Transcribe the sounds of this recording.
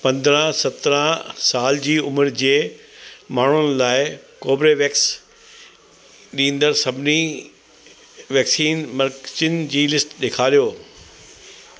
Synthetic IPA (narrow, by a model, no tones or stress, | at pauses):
pɐ̃nd̪ɾə̃sɐt̪ɾə̃saːld͡ʑiːʊməɾd͡ʑeː | maːɳ̤ʊnɪlaːɪkoːbɾeʋeːks | ɗĩːnd̪əɾsɐbʱɪni | ʋɛːksiːnmɐɾkt͡ɕɪnd͡ʑiːlɪsʈɗeːkʰaːlijoː